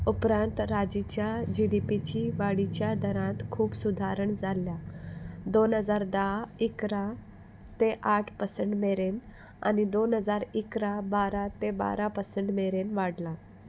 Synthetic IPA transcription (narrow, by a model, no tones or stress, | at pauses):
upɾãnt̪ɾad͡ʑit͡ɕjad͡ʑiɽipit͡ɕiʋaɽit͡ɕjad̪ʱəɾãt̪kʰuːpsud̪ʱaɾəɳd͡zaljad̪onɦəd͡zaɾd̪aikɾa | t̪eʔaʈʰpəsəɳʈmeɾen | a̰nid̪onɦəd͡zaɾikɾabaɾat̪eba̰ɾapəsəɳʈmeɾenʋaɽla